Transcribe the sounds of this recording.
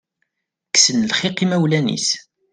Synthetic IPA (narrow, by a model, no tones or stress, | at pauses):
ksənlχiqimæwlænḭs